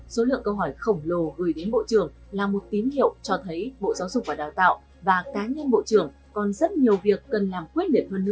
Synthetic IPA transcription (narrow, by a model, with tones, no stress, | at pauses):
so˨˦lɨ̰˧˨əŋkə˧wɦɔ˧˩jxə˧˩wŋ͡mlo˨˩ɣɨ˨˩jɗe˨˦nɓo̰˧˨t͡ɕɨ˧˩əŋ | laː˨˩mo˨˩t̚t̪i˨˦mhḭ˧˨ə˨wt͡ɕɔ˧t̪ʰə˨˦jɓo̰˧˨zaː˨˦wzʊ˨˩k͡p̚vaː˨˩ɗaː˨˩wt̪a̰ː˧˨w | vaː˨˩kaː˨˦ɲə˧nɓo̰˧˨t͡ɕɨ˧˩əŋ | kɔ˨˩nzə˦˥t̚ɲi˨˩əwvi˨˩əkːə˨˩nlaː˨˩mkwi˦˥ət̚li˧˩əp̚həː˧nːɨ˧˥